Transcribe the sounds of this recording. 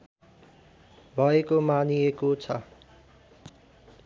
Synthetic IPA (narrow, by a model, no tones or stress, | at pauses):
bʱʌekomanijekot͡sʰʌ